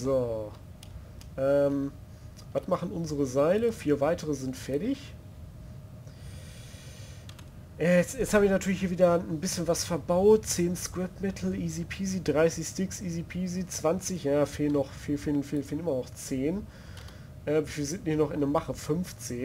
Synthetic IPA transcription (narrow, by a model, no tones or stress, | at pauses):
zoː | ʔɛːm | vatmaχn̩ʔʊnzəʁəzaɪləfiːɐvaɪtʰəʁəzɪntfɛɐdɪç | ʔɛːɛt͡sjɛt͡shaːbɪçnatʰyːɐlɪçhiɐviːdɐn̩bɪsçənvasfɛɐbaʊtt͡seːnskʁɛpmɛtʰl̩izipʰiːziːdʁaɪsɪçstɪksiːzipʰiːzit͡sv̥ant͡sɪçjaːfeːlənɔχfiːfeːlən̩feːlən̩feːlənʔɪmɐnɔχt͡seːn | ʔɛːmvfiːzɪnt̚nɪçnɔχɪndɛmaχəfʏmft͡seːn